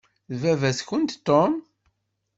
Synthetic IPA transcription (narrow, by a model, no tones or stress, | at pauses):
vævæsçənt̪t̪ːom